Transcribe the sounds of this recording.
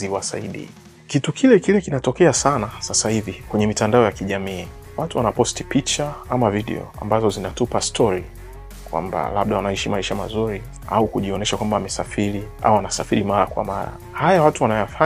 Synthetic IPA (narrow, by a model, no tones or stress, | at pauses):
ziwasa̰iɗḭ | kitukʰilɛkilɛkinatɔkɛasanasasahivikwɛɲɛmitandaɔjakiʄamiː | watuwanapɔstipit͡ʃaamaviɗɛ̰ɔ̰a̰mbazɔzinatupastʰɔɾi | kwa̰mba̰laɓ̚ɗawanaiʃimaiʃama̰zuɾi | a̰ukuʄiɔnɛʃakwambaamɛsafiɾiʔa̰wwanasafiɾimaɾa̰kwa̰ma̰ɾa̰ | hajawatuwanajafa